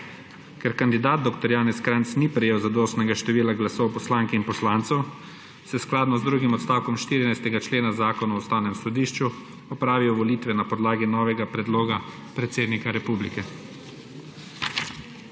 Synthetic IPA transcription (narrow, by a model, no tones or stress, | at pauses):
kɛɾkand̪id̪aːd̪̚d̪oːkt̪ɔɾjaːnɛskɾant̪snipɾɛjeːwzad̪oːst̪nɛɡaʃt̪ɛʋiːlaɡlasɔwpɔslaːŋkiinpɔslaːnt̪sɛw | sɛsklaːd̪nɔzd̪ɾuːɡimɔt̪st̪aːwkɔmʃt̪iːɾinajst̪ɛɡat͡ʃleːnazaːkɔnaɔst̪aːwnɛmsɔd̪iːʃt͡ʃu | ɔpɾaːʋiwʋɔliːt̪ʋɛnapɔd̪laːɡinɔːʋɛɡapɾɛd̪loːɡa | pɾɛt̪seːd̪nikaɾɛpuːblikɛ